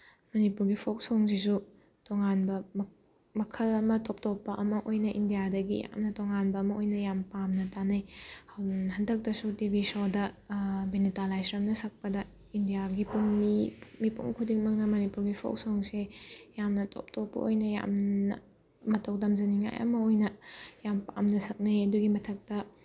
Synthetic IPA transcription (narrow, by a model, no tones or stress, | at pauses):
mɐnipuɾɡipʰok̚soŋs̬isu | tɔŋanbɐ | mɐkʰɐlɐmɐtɔp̚tɔpːɐʔɐmɐʔojnɐʔindijadɐɡḭja̰mnɐtɔŋanbɐːmɐojnɐjampamnɐtanɐjhawɦɐndɐk̚tɐsutibʱisodɐbenitalajsɾɐmnɐsɐk̚pɐdɐ | indijaɡipuŋmimipṵŋkʰudiŋmɐŋnɐmonipuɾɡipʰo̰wsoŋsejamnɐtʰɔ̰p̚tʰopːɐ̰o̰jnɐja̰mnɐ̰ | mɐtʰɐwdɐmzɐniŋa̰jʔɐ̰mɐojnɐjampamnɐsɐk̚nɐjɐduɡimɐtʰɐk̚tɐ